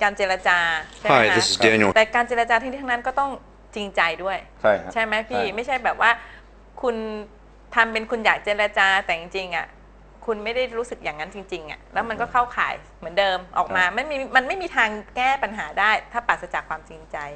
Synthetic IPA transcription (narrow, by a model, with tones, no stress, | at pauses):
kaː˧nt͡ɕeː˧ɾa˧t͡ɕaː˧t͡ɕʰa˥˩˥di˧u˨t̪ɛː˨˩kaː˧nt͡ɕeː˧ɾa˧t͡ɕaː˧i˧niː˥t̪ʰna˦˥nkɔː˥˩t̪ɔ˥˩ŋ | t͡ɕi˧ŋt͡ɕa˧jdu˥˩əjt͡ɕʰa˥˩t͡ɕʰa˥˩jma˦˥jpʰiː˥˩ma˥˩jt͡ɕʰa˥˩jbɛː˨˩p̚waː˥˩ | kʰu˧n | t̪ʰa˧mpe˧nkʰu˧njaː˨˩k̚t͡ɕeː˧ɾa˧t͡ɕaː˧t̪ɛː˨˩t͡ɕi˧ŋt͡ɕi˧ŋʔa̰˨˩ | kʰu˧nma˥˩jda˥˩jɾuː˦˥sɯ˨˩k̚jaː˨˩ŋːa˦˥nt͡ɕi˧ŋt͡ɕi˧ŋʔa̰˨˩lɛː˦˥wma˧nkɔː˥˩kʰa˥˩wkʰa̰ː˩˦j | mɯ˩˦əndɤː˧mʔɔ̰ː˨˩k̚maː˧ma˧˥˩njmiː˧ma˧nma˥˩jmiː˧t̪ʰaː˧ŋkɛː˥˩pa˧nɦaː˩˦daː˥˩jt̪ʰaː˥˩paː˨˩t̪̚sa˧t͡ɕaː˨˩kʰwaː˧mt͡ɕi˧ŋt͡ɕa˧j